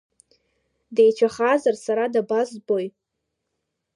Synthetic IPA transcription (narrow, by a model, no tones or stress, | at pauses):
dejt͡ʃʷʰaχazarsaɾadabazbo̞j